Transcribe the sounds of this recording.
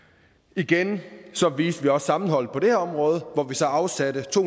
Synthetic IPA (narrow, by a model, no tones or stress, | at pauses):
iɡ̥ensɒ̽ʋiːsd̥ʋiɒ̽sːɑ̈mn̩ɦɒ̽l̰ð̩ˠpʰɒ̽d̥e̝hæɐɒ̽mʁɔ̽ːð̞ˠəʋɒʋisɒ̽ɑ̈ʊsædət͡sʰo̝̰